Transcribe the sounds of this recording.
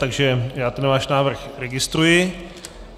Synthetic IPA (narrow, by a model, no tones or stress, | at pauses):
t̪aɡʒɛjaːt̪ɛnvaːʃnaːvr̩xɾɛɡɪst̪ɾujɪ